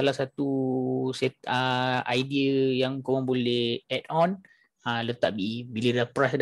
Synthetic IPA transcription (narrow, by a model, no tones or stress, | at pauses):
alahsat̪usɛt̪̚əajdiəjaŋkomãŋbolɛhɛtɔn | ələt̪aʔbibilədapɾasd